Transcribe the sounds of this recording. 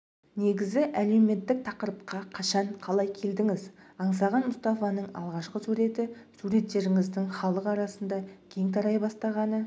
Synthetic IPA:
ne̞ɡʲɪzɪʔæle̞wme̞t̪ːɪk̚t̪ʰɑqəɾəp̚qɑqʰɑʃɑɴqʰɑlˠɑjkʲʰe̞ld̪ɪŋɪzɑɴsɑʁɑnmʊst̪ɑfɑnəɴɑ̰lˠʁɑʃqəsuɾe̞t̪ɪsuɾe̞t̪ːe̞ɾɪŋɪzd̪ɪŋχɑlˠəqɑɾɑsənd̪ɑkʲʰe̞ŋt̪ʰɑɾɑjbɑst̪ɑʁɑnə

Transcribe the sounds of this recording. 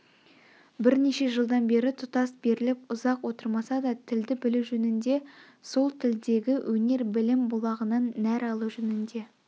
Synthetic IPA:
bɪɾneʃe̞ʒəlˠd̪ɑnbe̞ɾɪt̪ʰʊt̪ɑsbe̞ɾɪlɪpʊzɑqwo̞t̪əɾmɑsɑd̪ɑt̪ʰɪld̪ɪbɪluʒɵnɪnd̪e̞ | so̞lˠt̪ʰɪld̪e̞ɡʲɪwʔɵne̞ɾbɪlɪmbʊlˠɑʁənɑnːæɾɑlˠuʒɵnɪnd̪e̞

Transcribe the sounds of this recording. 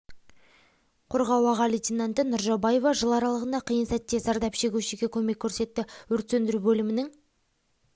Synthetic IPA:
qʰoɾʁɑwɑʁɑlijt̪ʲʰinant̪ənʊɾʒɑbɑje̞vɑʒəlˠɑɾɑlˠəʁənd̪ɑqʰijənsæt̪ːe̞zɑɾd̪ɑpʃe̞ɡʲuʃeɡʲe̞kʲʰɵme̞kʲʰːɵɾse̞t̪ːɪwɵɾt̪send̪ɪɾubɵlɪmɪnɪŋ

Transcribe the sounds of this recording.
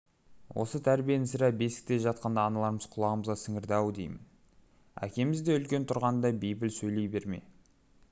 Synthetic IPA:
wʔo̰sət̪ʰæɾbijenɪsɪɾæbe̞sɪ̥k̚t̪eʒɑt̪̚qɑnd̪ɑːnɑlˠɑɾməz̥qʰʊlˠɑʁəməzʁɑsɪŋɪɾd̪ɑwd̪e̞̰jmɪn | æ̰kʲe̞mɪzd̪e̞ʏlkʲe̞nt̪ʰʊɾʁɑnd̪ɑbejbɪlsɵjle̞jbe̞ɾme̞̰

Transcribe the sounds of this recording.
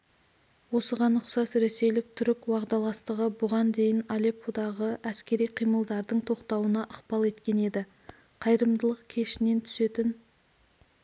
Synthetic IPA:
wo̞səʁɑnʊqsɑsɾe̞se̞jlɪk̚t̪ʰʏɾɪkwɑʁd̪ɑlˠɑst̪əʁəbʊʁɑnd̪e̞jɪnɑlepod̪ɑʁəʔæskʲe̞ɾijqʰijməlˠd̪ɑɾd̪əɴt̪ʰo̞qt̪ɑwənɑʔəqpɑlˠe̞t̪kʲe̞ne̞d̪ɪ | qʰɑjɾəmd̪əlˠəqkʲʰe̞ʃɪne̞nt̪ʰʏ̥se̞t̪ɪn

